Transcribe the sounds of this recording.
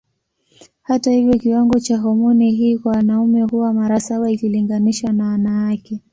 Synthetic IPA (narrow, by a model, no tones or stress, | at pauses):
hatahivjɔkiwaŋɡɔt͡ʃaɦɔmɔniɦiːkwawanaumɛhuwamaɾasaɓaikiliŋɡaniʃwanawanawakɛ